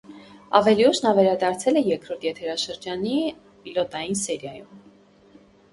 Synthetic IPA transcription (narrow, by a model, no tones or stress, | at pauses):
ɑ̰vɛliuʃnɑvɛɾɑd̪ɑɾt͡sʰɛlɛjɛkʰɾɔɾt̪ʰjɛt̪ʰɛɾɑʃəɾd͡ʒɑni | pilɔt̪ɑjinsɛɾjɑjum